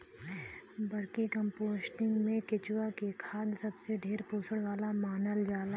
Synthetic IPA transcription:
bɐɾkikə̃mpoːsʈɪ̃ŋɡmẽkɪt͡ʃwakekʰaːd̪sɐbseɖʱeːɾpoːsʰəɽʋaːlamaːnəld͡ʒaːla

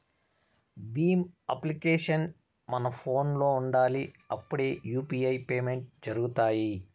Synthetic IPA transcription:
biːmɐ̰plikeːʂɐn | mɐnɐpʰo̞ːnlo̞ːuɳɖaːliɐpːuɽeːjuːpiːɐjpeːme̞ɳʈ̚d͡ʒɐɾuɡut̪aːji

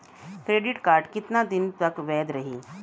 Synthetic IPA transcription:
kɾeːɖɪʈkaːɾʈkɪt̪nad̪ɪnt̪ɐkʋɛːd̪ɾɐɦiː

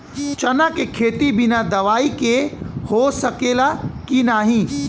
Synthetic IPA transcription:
t͡ʃɐnakekʰeːt̪ibɪnad̪ɐʋaːikehosɐkeːlakinaːɦĩː

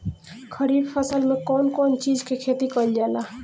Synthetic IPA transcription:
kʰəɾiːbpʰəsəlmẽkɔːnkɔːnt͡ʃiːd͡ʒkekʰeːt̪ikəld͡ʒaːla

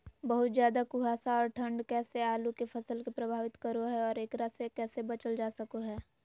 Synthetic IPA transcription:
bɐɦʊt̪zjaːd̪akuɦaːsaɔːɾʈʰə̃ɳɖkɛːseaːlukefʰɐsəlkepɾɐbʱaːʋɪt̪kəɾoɦɛɔːɾeːkɾasekɛːsebɐt͡ʃəld͡ʒaːsɐkoɦɛː

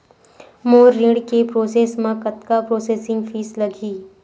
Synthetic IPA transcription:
moːɾɾɪ̃ɽkepɾoːseːsmẽkɐt̪kapɾoːseːsɪ̃ŋɡfʰiːslɐɡiː

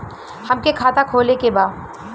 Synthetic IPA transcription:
hɐmkekʰaːt̪akʰoːlekebaːd̪

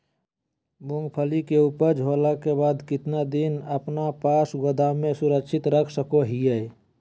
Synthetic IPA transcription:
bʊŋɡpʰəlikeupəɾd͡ʒʱoːlakebaːd̪kɪt̪nad̪ɪnəpnapaːsɡəd̪ʱamẽsʊɾəkʃʰɪt̪ɾəkʰsəkoɦije

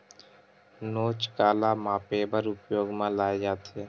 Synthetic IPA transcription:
noːt͡ʃkaːlaːmãːpeːbəɾʊpjoːɡmãːlaːed͡ʒaːt̪eː

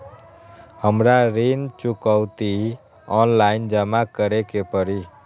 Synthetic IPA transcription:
həmɾaɾent͡ʃukəwt̪i | ɔnlaind͡ʒəmakəɾekepəɾi

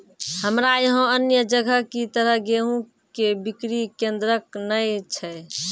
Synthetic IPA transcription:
həmɾajɦõənjəd͡ʒəɡʱəkit̪əɾəɦɡeɦũ | kebikɾikend̪ɾəknəjt͡ʃʰɛ

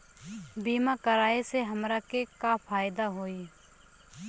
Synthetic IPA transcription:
biːmãkəɾaːeseɦəmɾakekapʰaːjɪd̪aɦoːiː

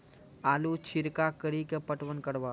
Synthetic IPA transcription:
aːlut͡ʃʰɪɾkakəɾikepəʈʋənkəɽʋaː

